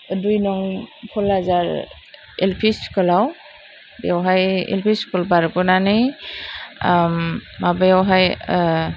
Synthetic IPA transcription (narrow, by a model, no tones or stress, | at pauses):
dujnɔŋpʰɔlazaɾ | elpʰiskɯlaw | bḛawɦajḛlpʰiskɔlbaɾkɔnanɯj | mːabajawɦaj